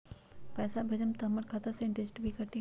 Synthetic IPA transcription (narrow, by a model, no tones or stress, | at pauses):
pɛːsabʱed͡ʒəmt̪ɐɦməɾkʰat̪aseɪ̃ɳʈesʈbʱikɐɾʈ̪i